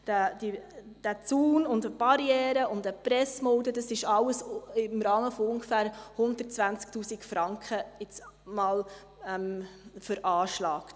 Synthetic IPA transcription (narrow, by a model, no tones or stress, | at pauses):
d̥æd̥i | d̥æt͡suːnʊndəb̥ɑɾjɛːɾəʊndəpɾɛsmoːdədɑsɪʃɑwəsɪmɾɑːməfɔʊŋɡəfæːɾhʊndətt͡sʋænt͡sk̚tuːsikfɾɑŋkχəɪt͡smɑːl | ɛmfəɾʔɑːʃlɑːkt